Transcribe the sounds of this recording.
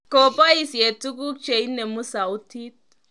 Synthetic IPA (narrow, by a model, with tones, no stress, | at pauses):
kɔ˨pa˦i˨se˨tu˦k̬u˦k̚t͡ʃe˨i˦ne˨mu˦sa˨u˦tʰi˦t̚